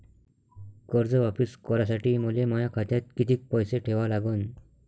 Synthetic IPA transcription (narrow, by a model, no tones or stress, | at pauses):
kəɾd͡zəʋapiskɔɾasaʈiːmulemɔjakʰat̪jat̪̚kit̪iːk̚pɔjseʈʰeʋalaɡuːn